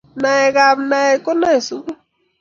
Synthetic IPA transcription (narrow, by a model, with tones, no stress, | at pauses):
na˨ɛ˨ɣa˨bna˨ɛ˨ko˦na˦e˨su˦ku˦